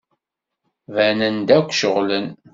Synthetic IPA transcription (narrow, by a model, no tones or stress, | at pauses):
vænənd̪ækʷːʃəʁlən